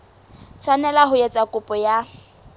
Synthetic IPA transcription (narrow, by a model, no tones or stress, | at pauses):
t͡sʰwanɛlaɦʊjɛt͡sʼakʼʊpʼɔja